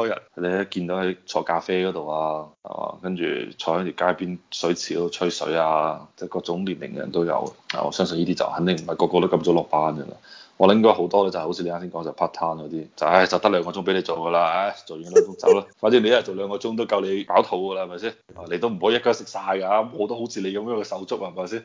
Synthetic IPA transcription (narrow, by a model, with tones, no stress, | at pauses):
t̪ɔː˥jɐ̰˨t̚le˨˧˨kiː˧nt̪o˨˥hɐ˨˥jt͡sʰɔː˧kaː˧feː˥kɔː˨˧˥t̪o˨waː˧hɐ̰˨˩a̰ː˨˧˩kɐ˥nt͡ʃy̰ː˨˩t͡sʰɔː˧hɔː˨˥t̪y˨˩kaː˥jpiː˥nsɵ˨˥ɥt͡sʰiː˨˥to˧t͡ʃʰɵ˥ɥsɵ̰˨˥aː˧t͡sɛː˥˩kɔː˧k̚t͡sʊ˨˥ŋliː˨˩nlɪ̰˨˩ŋɛ˧jɐ̰˨˩nt̪o˥wjɐ̰˨˧wa̰ː˨˩ɔ̰˨˧sœː˥ŋs̬njiː˥t̪i˥t͡sɐ̰˨˩whɐ˨˦nt̪ɪ˨˩ŋm̩˨˩mhɐ˨˩kɔː˧kɔː˧t̪o˥kɐ˧mt͡so˨˥lɔː˨˩k̚paː˧˥nɡɐ̰˧la̰˧ɔː˨˧ljɪ˥ŋkɔ˥ho˨˥wt̪ɔː˥lɛː˥t͡sa˨˩ho˨˥t͡sʰi˧le˧aː˥siː˥ŋkɔː˨˥ŋt͡sɐ˨˩pʰa˥t̪ʰaː˥nkɔː˨˧t̪iː˥t͡sɐ˨˩a˧˩t͡sɐ˨wt̪ɐ˥lœː˨˧ŋɔ˧t͡sʊ˥ŋpe˨˥le˧jt͡so˨˩wɡɐ˧laː˧a˧˥jt͡so˨jɔ˧˥t͡sʊ˥ŋt͡swlaː˦˥faː˧˥nsi˨˥nle˧jjɐ˨˩t͡so˨wlœː˨˧ŋkɔː˧t͡sʊ˥ŋt̪̬o˥wkɐ˧wle˨˧paː˨˥wt̪ʰo˨˧˥wɡə˧la˧hɐ˨˩mɐ˨jsiː˥nʔaː˨˩le˧t̪o˥wm̩˨˩o˨˥jːɐ˥kɔ˧sɪ˨k̚saː˧jka˧˦˥mɔː˨˥t̪o˥who˨˥wt͡sʰiː˨˧le˨˧jkɐ˧mː˧˥kɛ˧sɐ˨˥wt͡sʊ˥k̚a˧hɐ˩ma˨˩siː˥n